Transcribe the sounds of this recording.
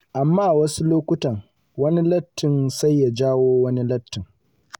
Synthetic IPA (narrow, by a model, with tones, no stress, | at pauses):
ʔa˨mːaː˦˨wɐ˦su˦loː˦kʷʊ˦tɐ˨ŋ | wɐ˦ni˦lɐ˦tːɪ˨nsa˦jːa˨d͡ʒaː˦woː˦wɐ˦ni˦lɐ˦tːɪ˨ŋ